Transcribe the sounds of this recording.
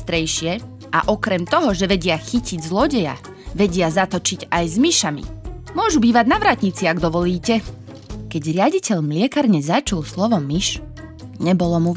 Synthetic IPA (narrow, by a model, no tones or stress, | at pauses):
t̪ɾɛjʃɪɛ | ʔa̰ʔɔkɾɛmt̪ɔɦɔʒɛʋɛɟɪaxiciɟzlɔɟɛja̰ | ʋɛɟɪazat̪ɔt͡ʃiɟajzmiʃamḭmʊɔʒubiːʋaɟnaʋɾaːt̪ɲit͡siaɡd̪ɔʋɔliːcɛ | kɛɟɾɪaɟicɛʎmlɪɛkaɾɲɛzat͡ʃulslɔʋɔmiʃ | ɲɛbɔlɔmu